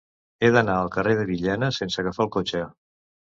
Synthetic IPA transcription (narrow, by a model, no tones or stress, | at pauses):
eðənaəlˠkəreðəβiʎɛnəsensəɣəfaəlˠkot͡ʃə